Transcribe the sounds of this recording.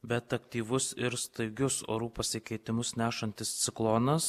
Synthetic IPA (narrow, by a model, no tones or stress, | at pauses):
bʲɛt̪ɐkt̪ʲiːʋʊsɪɾst̪ɐɪɡʲʊso̰ːɾuːpɐsʲɪkʲɛɪt̪ʲɪmʊsnʲæːʃɐnʲt̪ʲɪst̪sʲɪklˠonɐs